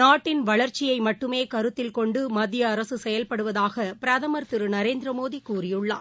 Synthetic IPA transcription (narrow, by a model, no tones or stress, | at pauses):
naːʈːɪnʋɐɭɐɾt͡ʃɪjɐɪmɐʈːɯmeːkɐɾɯt̪ːɪlkɔɳɖɯmɐd̪ːɪjɐːɾɐsɯsɛjɐlpɐɽɯʋɐðaːɣɐpɪɾɐðɐmɐɾt̪ɪɾɯnɐɾeːnd̪ɾɐmoːðikuːrɪjɯɭːa̰ː